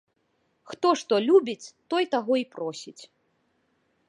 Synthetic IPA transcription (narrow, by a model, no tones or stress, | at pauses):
xt̪ɔʂt̪ɔlʲubʲit͡sʲt̪ɔjt̪aɣɔipɾɔsʲit͡sʲ